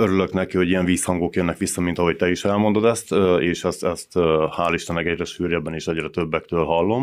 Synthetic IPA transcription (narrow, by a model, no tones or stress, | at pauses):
øɾyløknɛkiho̞ɟijɛɱviːshɒŋɡoːkjønːɛkʋisːɒmint̪ɒɦo̞c̚t̪ɛiʃɛlmo̞nd̪o̞d̪ɛst̪eːʃɛst̪ɛst̪haːlːiʃt̪ɛnːɛkɛɟrɛʃyːɾjɛbːɛniːʃɛɟrɛt̪øbːɛkt̪øːlɦɒlːo̞m